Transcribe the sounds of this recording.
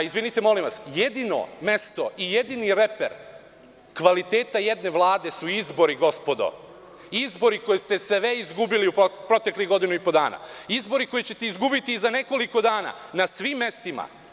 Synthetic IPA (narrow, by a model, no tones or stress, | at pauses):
izʋinit̪e̞mo̞limʋasjed̪ino̰me̞st̪o̞ijed̪iniɾe̞peɾ | kʋalit̪e̞ːt̪aje̞d̪ne̞ʋlˠaːd̪e̞suizbo̞ɾiɡo̞spo̞d̪o̞̰ | izbo̞ɾiko̞jest̪e̞seʋeizɡubiliupɾo̞t̪ekliɡo̞d̪inuipod̪aːna̰izbo̞ɾiko̞jet͡ɕe̞t̪eizɡubit̪iːzane̞ko̞liko̞d̪aːna̰nasʋiːmːe̞st̪ima̰